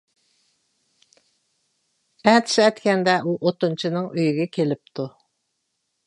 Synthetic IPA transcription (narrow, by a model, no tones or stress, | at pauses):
ɛt̪ʰɪ̥ʃɛt̪kʲɛnd̪ɛʔuʔot̪unt͡ʃʰɪnɨŋʔøjyɡʲɛkʲʰelɪp̚t̪ʰu